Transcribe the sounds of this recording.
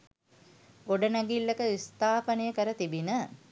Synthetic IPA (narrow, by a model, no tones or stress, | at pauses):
ɡoɖənæɡilːəkəist̪aːpənəjəkəɾət̪ibinə